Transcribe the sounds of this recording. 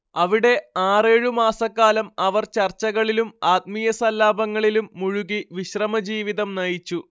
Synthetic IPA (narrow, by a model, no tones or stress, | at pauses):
ɐʋiɽe̞aːre̞ːɻumaːsɐkːaːlɐmɐʋɐrt͡ɕɐrt͡ɕːɐɣɐɭilumaːt̪̚mijɐsɐlːaːbɐŋːɐɭilumːuɻuɣiʋiɕrɐmɐd͡ʑiːʋiðɐmnɐjit͡ɕːu